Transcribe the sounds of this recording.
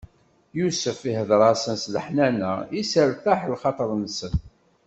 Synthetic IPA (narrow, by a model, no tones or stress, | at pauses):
jusəfihəðɾˤɑsənsləħnænæ̰isəɾθæħəlχɑt̪ˤəɾˤnsən